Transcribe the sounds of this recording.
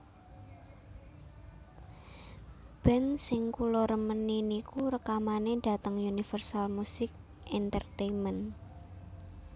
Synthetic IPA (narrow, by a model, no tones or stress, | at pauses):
b̥ɛnsɪŋkuloɾəməninikuɾəkamaneda̤t̪əŋjunifərsalmusɪk̚ | ʔɛnt̪ərt̪emən